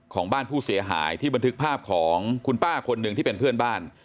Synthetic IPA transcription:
kʰɔː˩˦ŋbaː˥˩npʰuː˥˩si˨˩˦ɐɦa̰ː˩˦jt̪ʰiː˥˩ba˧nt̪ʰɯ˦˥k̚pʰaː˥˩p̚kʰɔː˩˦ŋkʰu˧npaː˥˩kʰo˧nːɯ˧ŋʰiː˥˩e˧npʰɯ˥˩ənbaː˥˩n

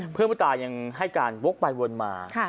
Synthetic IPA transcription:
pʰɯ˥˩˨m˥˩t̪aː˧ɲa˧ŋɦa˥˩jkaː˧nwo˦˥k̚ba˧jwo˧nma̰ː˧kʰa˥˩

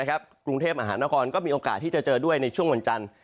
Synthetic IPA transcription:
kʰa˦˥p̚kɾu˧ŋt̪ʰeː˥˩p̚ma˧ɦaː˩˦naː˦˥kʰɔː˧nkɔː˥˩miː˧ʔoː˧kaː˨˩t̪̚ʰːiː˥˩t͡ɕa˨˩t͡ɕɤː˧du˥˩əjna˧jt͡ɕʰu˥˩əŋwa˧nt͡ɕa˧n

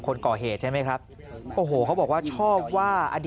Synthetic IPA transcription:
kʰo˧nkɔː˨˩ɦeː˨˩t̪̚t͡ɕʰa˥˩jma˦˥jkʰɾa˦˥p̚ | ʔoː˨˩ɦoː˨˩kʰa˦˥wbɔː˨˩k̚waː˥˩t͡ɕʰɔː˥˩p̚waː˥˩ʔa̰˧di

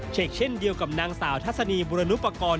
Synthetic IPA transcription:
t͡ɕʰe˨˩k̚t͡ɕʰe˥˩ndi˧əwka˨˩p̚naː˧ŋsaː˩˦wt̪ʰa˦˥t̪̚sa˧niː˧buː˧ɾa˧nu˦˥pːa˧kɔː˧n

